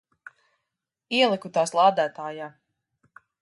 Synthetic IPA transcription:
iɛlˠikut̪aːslˠaːd̪æːt̪aːjaː

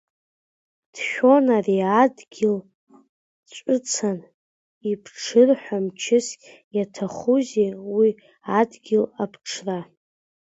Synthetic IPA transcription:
d̥ʃʲᶣo̞nariadɡʲɪl | t͡ʃʷʼɨt͡sʰan | ipʰʈ͡ʂʰɨrħʷᶣamt͡ʃʰɪsʲʼ | jatʰaχuzewi | adɡʲɪlapʰʈ͡ʂʰra

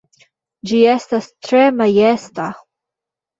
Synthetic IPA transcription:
d͡ʒiɛst̪ast̪ɾɛmajɛst̪a

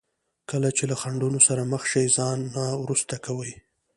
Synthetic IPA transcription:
kəlat͡ʃelaxaɳɖunosaɾaməxʃəjzɑnːawɾust̪akawəj

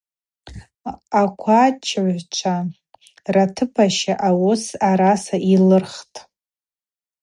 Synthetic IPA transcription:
akʷʰat͡ʃʰʕʷt͡ʃʷʰa | ratʰɨpʰaʃaʔawʊsaɾasaʔilɨrχtʼ

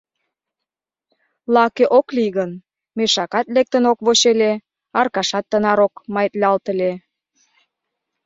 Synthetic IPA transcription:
lɑkeʔokliɣən | meʃɑkɑt̪lek̚t̪ənokβoɕele | ɑrkɑʃɑt̪ːənɑɾokmɑjt̪lʲɑlt̪əle

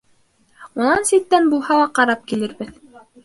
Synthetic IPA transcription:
unɑnsit̪ːænbulˠhɑlˠɑqɑɾɑp̚kilɘ̆ɾbɘð

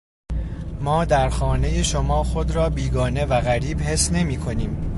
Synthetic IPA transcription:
mɒːd̪æɾxɒːne̞jeʃo̞mɒːxod̪ɾɒːbiːɡɒːne̞væɣæɾiːbhe̞sne̞miːkʰo̞niːm

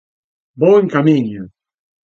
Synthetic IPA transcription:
bɔŋkamiɲʊ

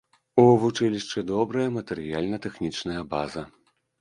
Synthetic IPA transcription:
uvut͡ʂɨlʲiʂt͡ʂɨd̪ɔbɾɐjɐmɐt̪ɛɾɨjalʲnɐt̪ɛxnʲit͡ʂnɐjɐbazɐ

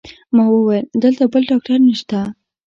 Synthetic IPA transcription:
mɑwəwajəld̪əlt̪abəlɖɑk̚ʈaɾnəʃt̪a

